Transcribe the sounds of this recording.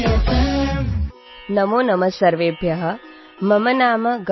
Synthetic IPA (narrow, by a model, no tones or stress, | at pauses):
nɐmoːnɐmɐsɐɾʋeːbʱjɐɦɐ̆ | mɐmɐnaːmɐɡ